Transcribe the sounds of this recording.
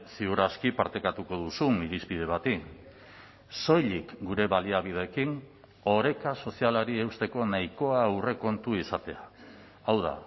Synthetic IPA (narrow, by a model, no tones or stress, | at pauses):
siuɾaskipaɾt̪ekat̪uko̞ðusumiɾispið̞e̞β̞at̪i | so̞jʎikɡuɾe̞βaliaβ̞ið̞e̞ːkiŋ | o̞ɾe̞kaso̞sialaɾie̞wst̪e̞ko̞najko̞aːwre̞ko̞nt̪uisat̪e̞aː | wða̰